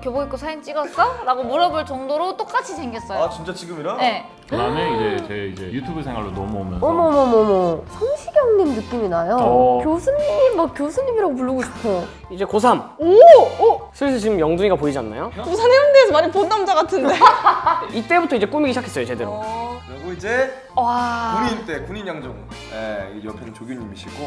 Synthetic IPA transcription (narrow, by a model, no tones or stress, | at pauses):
kjʌboɡik͈osʰaint͡ɕ͈iɡʌk͈aɾaɡomuɾʌboɭt͡ɕʌŋdoɾot͈ok͈at͡ɕʰisʰe̞ŋɡʌs͈ʌjat͡ɕint͡ɕ͈at͡ɕiɡɯmiɾaje̞ | kɯdameid͡ʑet͡ɕeid͡ʑe̞̰jutʰubesʰeŋɦwa̰ɭːonʌ̰muo̰mjʌ̰nʌmʌmʌmʌmʌsʰʌŋɕʰiɡeoŋnɯnːɯk͈iminajokjosʰɯmɲimimak̚k͈josʰɯmɲimiɾaɡop̬uɭːuɡoɕʰo̥kʰo | id͡ʑe̞kos̬ʰamo | sʰɯɭs̬ʰɯt͡ɕiɡɯmjʌŋduɲiɡapoid͡ʑianːa̰jokosʰanemɯndeːsʰʌmaɲiponːamd͡ʑaɡatʰɯnde | it͈e̞butʰʌid͡ʑe̞k͈umiɡiɕʰakʰes͈ʌjot͡ɕedeɾoɾaɡoid͡ʑe̞ | aɲint͈e̞kuɲinjaŋd͡ʑoŋ | jejʌpʰenɯnt͡ɕoɡinɲimiɕʰiɡo